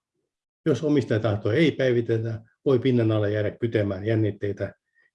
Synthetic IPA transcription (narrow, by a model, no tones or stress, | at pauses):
josomist̪ɑjt̪ɑht̪oeipæiʋit̪elːæ | ʋoipinːenɑlːɑjæːɾæk̚pyt̪æmæːnjænːit̪ːeit̪æ